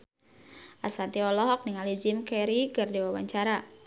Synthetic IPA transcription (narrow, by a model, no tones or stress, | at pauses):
ʔasant̪iɔlɔɦɔk̚niŋalid͡ʒɪmkɛɾikɨrdiwawaɲt͡ʃaɾa